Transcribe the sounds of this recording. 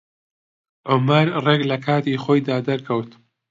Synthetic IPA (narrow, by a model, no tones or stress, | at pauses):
ʕʊmɐɾreɡlɐkʰaːt̪iːχoːjd̪aːd̪ɐɾkʰɐwt̪